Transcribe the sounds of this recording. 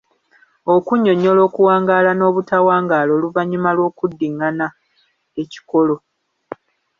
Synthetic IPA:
o̞kuɲːo̞ɲo̞lo̞ːkuwaːŋɡaːlano̞ːβutawaːŋɡaːlo̞ːluvaɲumalwo̞ːkudːiŋːana | e̞ci̥ko̞lo̞

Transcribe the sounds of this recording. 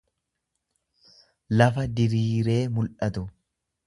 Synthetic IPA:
lɐfɐd̪ɪɾiːɾe̞ːmʊlʔɐt̪ʊ

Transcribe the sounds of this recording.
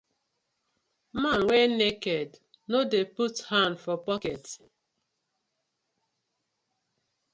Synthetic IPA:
manwɛnekɛd | nodeputhãndfɔpɔkɛt

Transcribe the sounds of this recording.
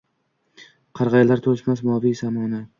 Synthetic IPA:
qʰɑɾʁɑjalaɾt̪ʰolɪʃmasmɒvisamɒna

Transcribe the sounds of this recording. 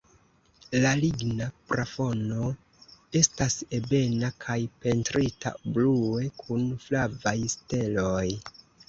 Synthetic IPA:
laliɡnapɾafo̞no | e̞stase̞be̞nakʰajpe̞ntɾitʰa̰blue̞kʰunflavajste̞loj

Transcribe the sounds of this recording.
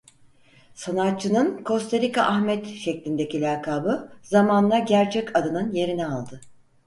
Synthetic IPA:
sanat̪̚t͡ʃʰːɯnɯnkʰo̞st̪ʰaɾika̰ʔaxmɛt̪ʃɛclʲind̪ecilʲaːkʰaːbɯzamanlˠaɟæɾt͡ʃʰɛcʰad̪ɯnɯnje̞ɾinɛalˠd̪ɯ

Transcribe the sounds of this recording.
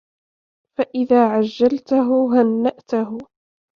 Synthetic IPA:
faʔɪðaːʕad͡ʒːalt̪aɦʊɦanːaʔt̪ʊhʊ

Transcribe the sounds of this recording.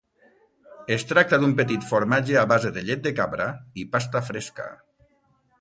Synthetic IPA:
est̪ɾak̚t̪aðumpet̪it̪foɾmad͡ʒeaβazeðeʎet̪̚d̪ekaβɾaipast̪afɾeska̰

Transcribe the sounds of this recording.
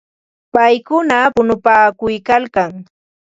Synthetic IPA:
pajkʊnapʊnʊpaːkʊjkalkaŋ

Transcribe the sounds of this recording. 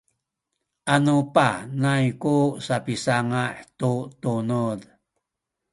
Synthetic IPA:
ʔanupanajkusapisaŋaħtut̪unud

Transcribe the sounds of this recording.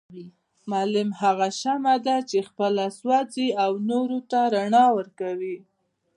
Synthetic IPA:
mɑlɪmhaɣaʃamad̪at͡ʃexpəlaswaziawnoɾot̪aɾaɳɑwəɾkawi

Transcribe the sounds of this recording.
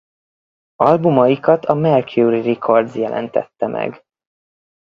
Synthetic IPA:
ɒlbumɒjikɒt̪ʰɒmɛrkjuɾirikʰo̞rd̪zjɛlʔɛ̰nt̪ɛ̰t̪ːɛmʔɛ̰ɡ

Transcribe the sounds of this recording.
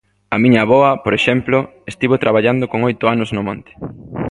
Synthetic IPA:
ɐmiɲɐβɔɐpoɾeʃɛmplʊest̪iβot̪ɾaβaʎand̪okoŋojt̪ʊanʊznʊmɔ̃nt̪e̥

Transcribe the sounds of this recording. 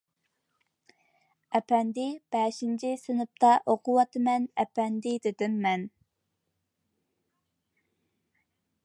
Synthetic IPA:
ɛpʰɛnd̪ɪb̥ɛʃint͡ʃʰisynɪp̚t̪ʰɑʔoqʊwɑt̪ʰɨmɛnɛpɛnd̪ɪd̪ɪd̪ɪmːɛn

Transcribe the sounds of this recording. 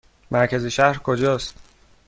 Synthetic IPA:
mæɾcʰæziʃæhɾkʰod͡ʒɒːst̪

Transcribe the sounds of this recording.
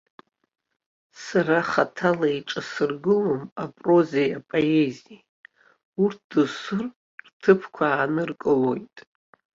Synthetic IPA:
saraχatʰalaiʈ͡ʂʼasɨrɡɨlomapʼro̞zejapʼoe̞zi | urt̚ʰd̥ɨsɨr | rtʰɨpʰkʷʰaːnɨrkʼɨlo̞jtʼ

